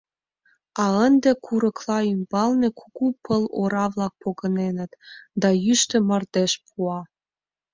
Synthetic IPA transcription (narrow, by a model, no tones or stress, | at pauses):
ɑənd̪ĕkʰuɾəklɑymb̥ɑlnekʰuɣupʰəloɾɑβlɑk̚poɣə̆nenə̆t̪d̪ɑjyʃt̪ə̆mərd̪eʃpʰuɑ